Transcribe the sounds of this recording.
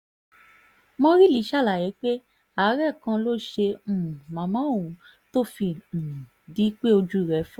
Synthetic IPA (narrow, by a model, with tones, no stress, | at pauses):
mɔ̃˧ɾi˦li˨˦ʃa˦˨la˨jɛ˨˦k͡pe˦ | a˨˦ɾɛ˦˨kã˧lo˦ʃẽ˧˨mã˨mã˨˦˨ũ˨ | to˦fi˧n̩˨di˨˦k͡pe˦o˧d͡ʒu˦˨ɾɛ˨˦fɔ˦